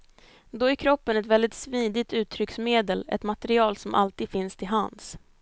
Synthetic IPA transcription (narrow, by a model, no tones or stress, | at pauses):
d̪ɔæɾkʰɾɔpːənɛt̪vɛld̪ɪt̪sviːd̪ɪt̪ʉ̟ːt̪ʰɾʏksmeːd̪əlɛ̰t̪mat̪ɛɾɪɑːlsɔmʔa̰lt̪iːd̪fɪnst̪ʰɪlɦans